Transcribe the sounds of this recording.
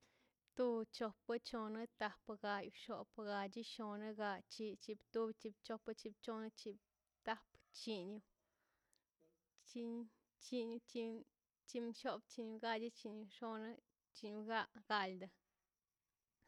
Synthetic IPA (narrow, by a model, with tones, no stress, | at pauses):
t̪u˧bt͡ʃo˧pɨ˦t͡ʃo˧nɨ˦t̪a˧pɡa˧ju˧ʃo˨˧pɡa˧d͡ʒi˦ʃo˧nɨ˦ɡa˧t͡ʃi˧t͡ʃi˧bt̪u˧bt͡ʃi˧b̚t͡ʃo˧pɨ˦t͡ʃi˧b̚t͡ʃo˧nɨ˧t͡ʃi˧b | t̪a˧pt͡ʃi˧ɲu˧ | t͡ʃi˧ɲ | t͡ʃi˧ɲu˧t͡ʃi˧ | t͡ʃi˧mʃo˦bt͡ʃi˧ɲu˧ɡa˧d͡ʒi˦t͡ʃi˧ɲu˧ʃo˧nɨ˦ | t͡ʃi˧ɲu˧ɡa˧ʔɡ̥a˧ld̪a˧